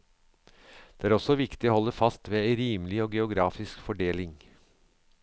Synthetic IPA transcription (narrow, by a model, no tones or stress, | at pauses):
d̪̥ɛːæːɾɔsɔʋɪkt̪ɪoːhɔlːəfɑst̪ʋeːæɪɾiːməlɪoːɡɛʊɡɾɑːfɪskfɔɖeːlɪŋ